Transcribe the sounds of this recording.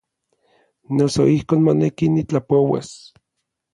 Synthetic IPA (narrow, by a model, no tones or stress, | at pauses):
noso̰ihkoːnmonekinit͡ɬapowḛs